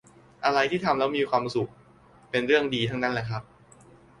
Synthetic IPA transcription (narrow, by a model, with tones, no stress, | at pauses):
ʔa˧ɾa˧jt̪ʰiː˥˩t̪ʰa˧mlɛː˦˥wmiː˧kʰwaː˧msu˨˩k̚ | pe˧nɾɯ˥˩əŋdiː˧t̪ʰa˦˥ŋna˦˥nla˦˥kʰɾa˦˥p̚